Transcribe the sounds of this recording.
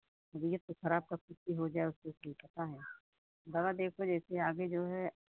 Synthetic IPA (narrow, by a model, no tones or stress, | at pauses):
ɐɡijɐt̪oxɐɾaːb̚kɐsɪt̪ːiɦod͡ʒaːeʊskesipɐt̪aɦɛː | d̪ɐbad̪eːkʰod͡ʒɛːseaːɡed͡ʒoːɦɛ